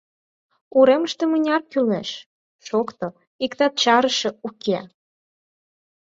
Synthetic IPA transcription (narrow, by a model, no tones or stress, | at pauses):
uɾeməʃt̪emənʲɑrkyleʃ | ʃokt̪ɤ | ikt̪ɑt̪̚t͡ɕɑɾəʃĕuke